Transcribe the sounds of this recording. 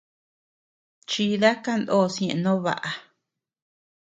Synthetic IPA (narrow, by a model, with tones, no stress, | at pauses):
t͡ʃi˧ða˦ka˦˨nd̪o˦˨sj̃ẽ˧˨˧nõ˦βa̰˨ʔa˧